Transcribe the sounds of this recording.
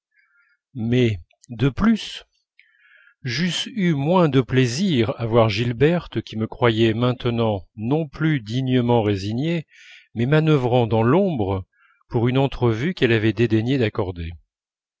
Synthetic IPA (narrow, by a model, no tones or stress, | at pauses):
mɛ | d̪əplys | ʒysymwɛ̃d̪əpleziʁavwaʁʒilbɛʁt̪kʲiməkχwajɛmɛ̃t̪ənɑ̃nɔ̃plyd̪iɲəmɑ̃ʁeziɲe | mɛmanəvʁɑ̃d̪ɑ̃lɔ̃bʁə | puʁynɑ̃t̪χəvykɛlavɛd̪ed̪eɲed̪akɔʁd̪e